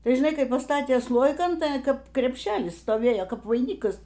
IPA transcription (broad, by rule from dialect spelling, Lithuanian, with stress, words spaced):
ˈtɐɪ ʒʲɪˈnɐɪ ˈkɐɪ pɐˈstɑːtʲeː ˈslˠoːjɪkɐn ˈtɐɪ ˈkɐp krʲɛpʲˈʃʲæːlʲɪs stoːˈʋʲeːjoː ˈkɐp ʋɐɪˈnʲiːkɐs